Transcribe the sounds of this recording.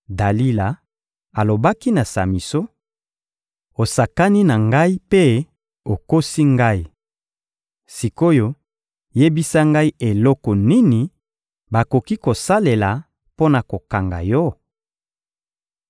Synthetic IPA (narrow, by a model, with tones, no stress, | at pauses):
da˨li˦la˨ | a˨lo˨ba˦ki˦na˨sa̰˨mi˨so˦ | o˨sa˨ka˦ni˦na˨ŋɡa˦i˦pe˦ | o˨ko˦si˦ŋɡa˦i˦˨ | si˨ko˦jo˦ | je˦bi˦sa˦ŋɡa˦i˦ʔe˨lɔ˦kɔ˨ni˦ni˨ | ba˨ko˨ki˦ko˨sa˦le˨la˨ | po˦na˨ko˨ka˨ŋɡa̰˨jɔ˦